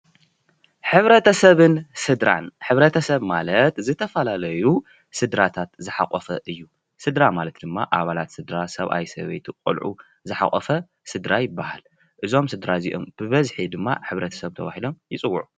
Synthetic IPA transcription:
ħɨβɾɐt̪ʰɐsɐβɨnsɨd̪ɾa̰nħɨβɾɐt̪ʰɐsɐβmalɐt̪zɨt̪ʰɐfɐlalɐju | sɨd̪ɾat̪ʰat̪zɨħa̰χʼɔfɐʔɨjːu | sɨd̪ɾamalɐt̪̚d̪ɨmːaʔaβalat̪sɨd̪ɾasɐβa̰jsɐ̰βḛjt̪ʰuqʼo̰lʕṵ | zɨħa̰χʼɔfɐ | sɨd̪ɾajɪbːahal | ʔɨzo̞msɨd̪ɾaziʔo̞̰mb̥ɨβɐzħid̪ɨmːa̰ħɨβɾɐt̪ʰɐ̥sɐβt̪ʰɐβa̰hilo̞mjɪt͡sʼɨwːʊʕu

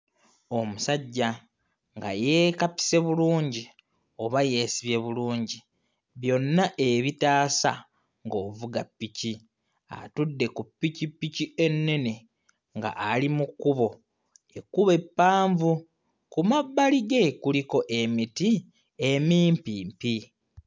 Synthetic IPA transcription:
o̞musaɟːa | ŋɡa̰je̞ːkapi̥se̞βuluːɲɟi | o̞βaje̞ːsiβje̞βuluːɲɟi | βjo̞nːaʔe̞βitaːsa | ŋɡoːvuɡapːici | a̰tudːe̞kupːicipːicie̞nːe̞ne̞ | ŋɡa̰ʔalimukːuβo̞ | e̞kːuβe̞pːaːɱvu | kumabːaliɡe̞kuliko̞ʔe̞miti | e̞miːmpiːmpi

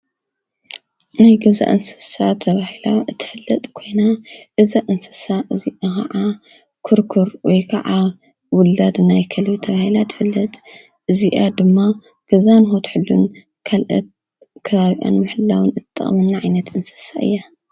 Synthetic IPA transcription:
najɡɐza̰ʔɨnsɨ̥sat̪ʰɐβahilaɨt̪ʰːɨ̥fɨlːɐt̪ʼkʰo̞jnaʔɨzaʔɨnsɨ̥saʔɨziʔakʰɐ̰ʕa | kʰuɾkʰuɾwɔjkʰɐ̰ʕa | wʊlːad̪najkʰɐlβit̪ʰɐβahilat̪ʰɨ̥fɨlːɐt̪ʼ | ʔɨziʔad̪ɨmːa | ɡ̥ɐzanxot̪ħɨlːun | kʰalʔɐ̰t̪̚ | kʰɐβaβiʔa̰nmɨħɨlːawɨnɨt̪ʼːɐ̰χʼmɨnːaʕajnɐt̪ɨnsɨ̥saɨ̰jːa

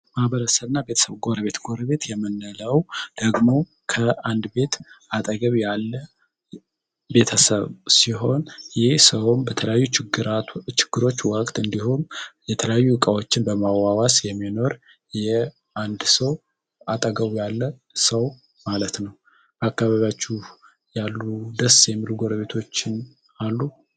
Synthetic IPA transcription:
mahβəɾəsəβɨnːabe̞t̪ʰə̥səβɡo̞ɾəβe̞t̪ɡoɾəβe̞t̪jɛmːɨnːələwd̪̥əɡmo̞ | kʰəand̪be̞t̪at̪ʼəɡəβjalːə | be̞t̪ʰəsə̰βsiɦo̞njɪhsəwumbət̪ʰələjajːut͡ʃɾt͡ʃɪ̥ɡ̥ːɨɾo̞t͡ʃːwəkʼt̪ɨnd̪ihumjɛt̪ʰələjajːuɨkʼawo̞t͡ʃːɪnbəmawawasjɛmːino̞ɾ | jɛ | and̪səw | at̪ʼəɡəβjalːə | səw | malət̪nəw | ʔakːaβaβjat͡ʃːuh | jalːud̪əsjɛmːiluɡo̞ɾəβe̞t̪ʰo̞t͡ʃːɪn | alːu

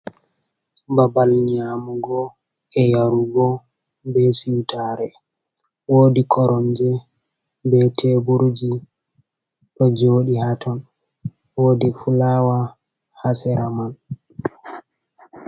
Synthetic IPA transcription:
babalɲamuɡɔ | ɛjaɾuɡɔ | bɛsiwtʰaɾɛ | woːdikʰɔɾʔɔnd͡ʒɛ | bɛtʰebuɾd͡ʒi | ɗɔd͡ʒoːɗihatʰɔn | woːdifulawa | hasɛɾaman

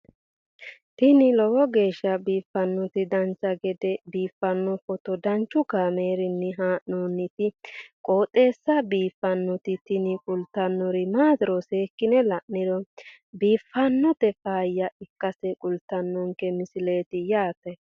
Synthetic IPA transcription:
t̪ɪnɪlɔwɔɡe̞ːʃːɐbiːfːɐnːɔt̪ɪd̪ɐnt͡sːɐɡɛd̪ɛbiːfːɐnːɔfɔt̪ɔd̪ɐnt͡ʃːʊɡaːmeːɾɪnːɛɦaːʔnoːnːɪt̪ɪkʼoːt̪ʼːe̞ːsːɐbiːfːɐnːɔt̪ɪt̪ɪnɪkʼʊlt̪ːɐnːɔɾɪmaːd̪ɪɾɔseːkːɪnɛlɐʔɪɾɔ | biːfːɐnːɔt̪ɛfaːjːɐɪkːɐsɛkʼʊlt̪ːɐnːɔŋkɛmɪsɪle̞ːt̪ɪjaːt̪ɛ

